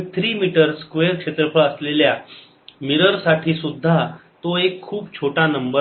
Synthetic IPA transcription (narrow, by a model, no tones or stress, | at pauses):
t̪ʰɾiːmiʈəɾskʋeəɾkʂet̪ɾəfʰəɭəslelja | miɾəɾsaʈʰiːsud̪ʱːat̪oekʰːuːpt͡ɕʰoʈanəmbə